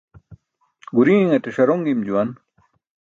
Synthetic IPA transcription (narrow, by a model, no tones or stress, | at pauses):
ɡuɾĩːŋeteʂɐɾoŋɡimd͡ʑuwɐn